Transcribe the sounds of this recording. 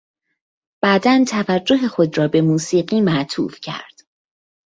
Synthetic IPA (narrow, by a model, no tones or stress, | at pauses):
b̥æːd̪ænt̪ʰævæd͡ʒːo̞ɦe̞xo̞d̪rɒːbe̞muːsiːɢiːmæʔt̪ʰṵːfcʰæ̰ɾd̪̥